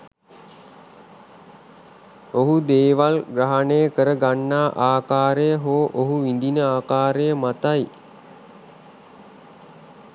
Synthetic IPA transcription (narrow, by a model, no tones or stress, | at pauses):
oɦud̪eːʋalɡɾaɦanejəkəɾəɡanːaːʔaːkaːɾejəɦoʔoɦuʋind̪inəaːkaːɾejəmat̪aj